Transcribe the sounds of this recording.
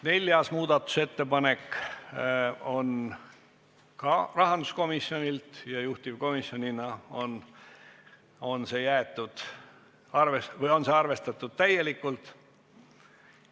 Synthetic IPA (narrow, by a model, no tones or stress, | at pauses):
ne̞lʲjɑsmuːd̪̥ɑt̪ːˑu̥se̞t̪ːe̞pɑne̞k | o̞n | kɑrɑɦɑnd̪usko̞misjo̞nʲilt̪jɑjuht̪ivko̞misjo̞nʲinɑo̞n | o̞nse̞jæet̪ːˑud̪̥ | ɑrvesvɤjo̞nseɑrve̞st̪ɑt̪ːˑud̪̥̚t̪æje̞likːˑult̪ˑ